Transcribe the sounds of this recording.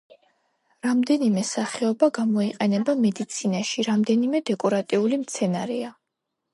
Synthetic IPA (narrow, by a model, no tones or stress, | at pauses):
ɾamd̪ɛnimɛsaχɛɔbaɡamɔiqʼɛnɛbamɛd̪it̪sʰinaʃiɾamd̪ɛnimɛd̪ɛkʼɔɾat̪ʼiulimt̪sʰɛnaɾɛa